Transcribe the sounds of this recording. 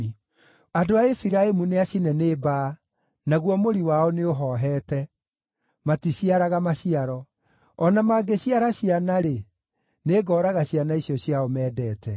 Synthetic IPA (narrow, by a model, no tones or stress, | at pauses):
adoaefiɾaemuneaɕinɛneba | naɣwɔmoɾiwaɔneoɦɔɦɛːtɛ | matiɕiaɾaɣamaɕiaɾɔ | ɔnamaːɡeɕiaɾaɕianaɾe | neːɡɔːɾaɣaɕianaisjɔɕjaɔmɛːdɛːtɛ